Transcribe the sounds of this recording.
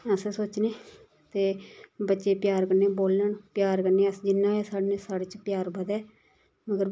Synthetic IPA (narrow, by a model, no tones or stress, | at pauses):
əsesoːt͡ʃneː | t̪eːbətːʃeːpjaːɾkəɾneːboːlːəɳpjaːɾkəɾneːəsd͡ʒɪnːãːeːsaːɽnesaːɽeːt͡ʃpjaːɾbəd̪ɛː | məɡəɾ